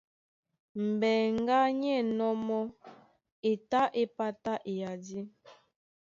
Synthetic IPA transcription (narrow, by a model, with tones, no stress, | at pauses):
m̩˨bɛ˨ŋ˦ɡa˦ɲɛ˦˨nɔ˦mɔ˦ | e˨ta˦ʔe˦pa˦ta˦ʔe˨ja˨di˦